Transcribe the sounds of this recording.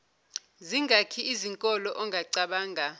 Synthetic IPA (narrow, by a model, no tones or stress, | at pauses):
ziŋʱakʰiiziŋkʼɔlɔʔɔŋʱaǀaɓaːŋʱa